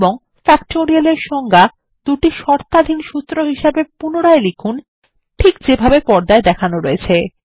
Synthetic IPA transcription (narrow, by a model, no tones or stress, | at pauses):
boŋ | fɛkʈoɾialeɾʃɔŋɡa | d̪̥uʈiʃɔɾt̪ad̪ʱinʃut̪ːɾoɦiʃabepunoɽaelikʰun | ʈʰikd͡ʑebʱabepɔɾd̪aed̪ɛkʰanoɾoet͡ɕʰe